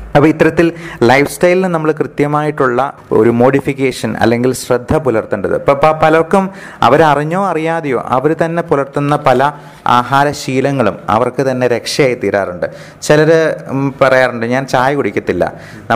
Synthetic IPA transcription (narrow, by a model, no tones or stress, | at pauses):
ɐpːɐit̪ːɐɾɐt̪ːillɐjfstɐjlinɨnɐmːɐɭkrɨt̪jɐmaːjiʈːuɭːɐo̞̰ɾumo̞ːɽifikʲːeːʂɐnɐ̰lːe̞ŋɡilɕrɐd̪ʱːɐpulɐrt̪ːuɳɖɐðɨ̰pɐppɐlɐkːum | ɐ̰ʋɐɾɐriɲːo̞ːɐrijaːðijo̞̰ːʔɐ̰ʋɐɾut̪ɐnːe̞pulɐrt̪unːɐpɐlɐ | a̰ːɦaːɾɐɕiːlɐŋːɐɭumɐ̰ʋɐrkɨt̪ɐnːe̞ɾe̞kʂɐjaːjit̪iːɾa̰ːruɳɖɨ | t͡ɕelɐɾɨpɐrɐjaːruɳɖɨɲaːnt͡ɕaːjɐkuɽikʲːɐt̪ːilːɐ̰ | nɐ